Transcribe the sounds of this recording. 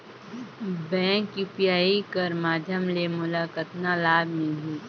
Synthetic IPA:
bɛ̃ːkipijaːikəɾmaːd̪ʱjəmlemʊlaːkət̪nalaːbmĩɦiː

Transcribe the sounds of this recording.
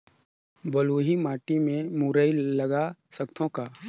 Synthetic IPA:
bɐluːɦimaːʈimẽmuɾəilɐɡasɐkt̪ʰõka

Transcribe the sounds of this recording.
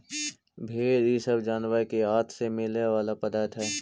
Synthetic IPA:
bʱeːɾisəbd͡ʒaːnʋaːkiɦaːt̪ʰsemɪleʋaːlapɐd̪aːt̪ɦɛː

